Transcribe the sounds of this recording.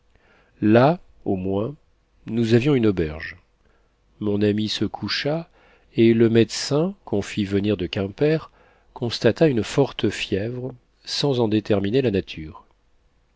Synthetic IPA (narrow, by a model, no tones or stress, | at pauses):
la | omwɛ̃ | nuzavjɔ̃ynɔbɛʁʒ | mɔ̃namisəkʰuʃa | eləmɛd̪sɛ̃kʰɔ̃fivəniʁd̪əkʲɛ̃pɛʁ | kɔ̃st̪at̪aynfɔʁt̪əfjɛvʁ | sɑ̃zɑ̃d̪et̪ɛʁminelanat̪ʰyːʁ